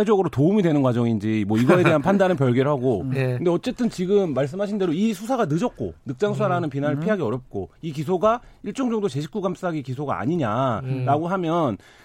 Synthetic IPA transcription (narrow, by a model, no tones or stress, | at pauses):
ed͡ʑʌɡɯɾotoumidwe̞nɯnɡwad͡ʑʌŋind͡ʑimwʌiɡʌe̞de̞ɦanpʰandanɯnpjʌɭɡeɾɦaɡokɯndeʌt͡ɕ͈e̞t͈ɯnt͡ɕiɡɯmːaɭs̬͈ɯmɦaɕʰinde̞ɾoisʰus̬ʰaɡanɯd͡ʑʌk̚k͈o̰nɯk̚t͡ɕ͈aŋsʰusʰaɾanɯnpinaɾɯɭpʰiɦaɡiʌɾjʌp̚k͈oik̬is̬ʰoɡaiɭt͡ɕ͈ʌŋd͡ʑʌŋdot͡ɕe̞ɕʰi̥k͈uɡams͈aɡikisʰoɡa̰a̰ɲiɲaɾaɡoɦamjʌn